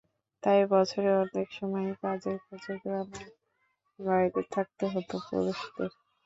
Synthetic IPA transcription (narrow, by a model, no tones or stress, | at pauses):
t̪ajbɔt͡ɕʰoɾeɔnekʃɔmɔekad͡ʑeɾkʰod͡ʑoɡɾame | baɾid̪et̪ʰak̚t̪eɦot̪opɾo̰d̪oʃd̪eɾ